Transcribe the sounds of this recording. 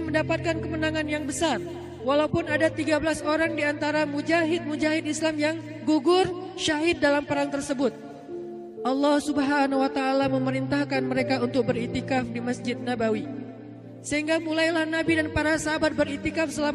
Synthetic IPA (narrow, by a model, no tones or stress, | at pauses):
məndapat̪̚kankəmənaŋanjaŋbəsar | walaupʊnadat̪iɡabəlasoɾaŋdiant̪aɾamud͡ʒaɦɪt̪̚mud͡ʒaɦɪt̪islamjaŋ | ɡuɡʊrʃaɦɪt̪̚dalampəɾaŋt̪ərsəbʊt̪̚ | ʔɑlːɑhsubɦanawat̪aːlaməməɾint̪ahkanməɾekaunt̪ʊk̚bəɾit̪ikafdiməsd͡ʒɪd̪̚nabawi | səɦiŋɡamulajlahnabidanpaɾasaɦabat̪̚bəɾit̪ikafsəla